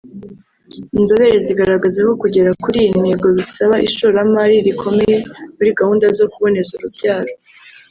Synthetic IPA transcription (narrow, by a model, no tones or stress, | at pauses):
inzo̞βe̞ɾeziɡaɾaɡazeko̞kuɟe̞ɾakuɾijin̥eɡoβisaβaʔiʃoɾamaɾiɾikʰo̞me̞je̞muɾiɡahuːndazo̞kuβo̞ne̞zuɾubɟaːɾo